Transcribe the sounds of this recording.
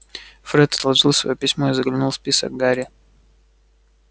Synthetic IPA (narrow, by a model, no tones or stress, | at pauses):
fɾɛt̪ɐ̥t̪lˠɐʐɨlˠsvɐ̰jopʲɪsʲmoizəɡlʲɪnulˠspʲisə̰ɡ̚ɡaɾʲɪ